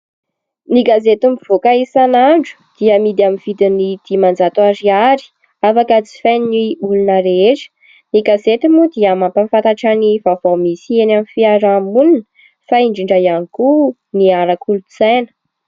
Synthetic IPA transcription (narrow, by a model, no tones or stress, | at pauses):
niɡazet̪umiv̥okaisanaɳɖ͡ʐu̥d̪̥iəmid̪aminv̥id̪inid̪̥imand͡zat̪uaɾiaɾi̥ | afakət͡si̥faniniʔulunaɾeʈ͡ʂə̥ | niɡazet̪imud̪iəmampamfant̪aʈ͡ʂanivavamisienamifiaɾamulinə | faiɳɖ͡ʐiɳɖ͡ʐajaniku | niaɾakulut͡sajnə̥